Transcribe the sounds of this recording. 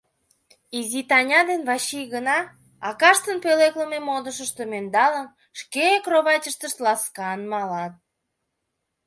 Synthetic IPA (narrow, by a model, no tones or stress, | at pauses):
izit̪ɑnʲɑd̪enβɑɕiɣənɑ | ɑkɑʃt̪ənpølekləmemod̪əʃəʃt̪omend̪ɑləm | ʃkekroβɑt͡ɕʲəʃt̪əʃt̪lɑskɑnmɑlɑt̪̚